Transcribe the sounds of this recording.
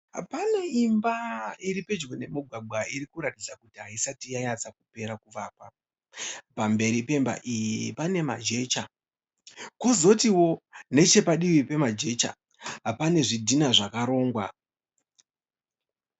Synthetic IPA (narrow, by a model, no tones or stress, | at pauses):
ɦa̰panaimbaiɾipe̞d͡ʒwene̞muɡʱwaɡ͡bʱwaiɾikuɾatid͡zakutiɦaisatijajat͡sakupe̞ɾakuʋaːpa | pambe̞ɾipe̞mba̰ʔijipane̞ma̰d͡ʒe̞ːt͡ʃa | ko̞zo̞tiwo̞ne̞t͡ʃe̞paɗiʋipe̞mad͡ʒe̞t͡ʃa̰ | ɦapane̞ʐidʱinaʐakaɾo̞ːŋɡwa̰